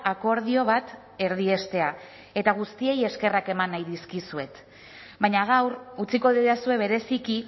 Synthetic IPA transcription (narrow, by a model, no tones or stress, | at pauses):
ako̞ɾð̞io̞β̞at̪ | e̞ɾðie̞st̪e̞a | e̞t̪aɣ̞ust̪ie̞je̞ske̞rake̞manːajðiskisue̞t̪ | bajɲaɣ̞awɾut͡siko̞ðiasue̞β̞e̞ɾe̞siki